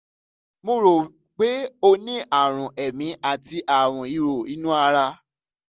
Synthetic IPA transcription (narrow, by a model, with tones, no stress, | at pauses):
mõ˧ɾo˨ | k͡pe˨˦o˧nĩ˦ʔa˦˨ɾ̃ũ˨ʔɛ˨mĩ˧˦a˦˨ti˧ʔa˨w̃ɔ̃˨i˨˧ɾo˨i˨˦nũ˦a˧ɾa˧